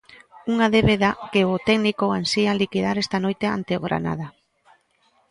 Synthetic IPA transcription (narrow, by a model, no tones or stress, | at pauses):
uŋaðeβeðakeʊt̪ɛɡnikoansialikiðaɾɛst̪anojt̪ea̰nt̪eoɣɾa̰na̰ð̞a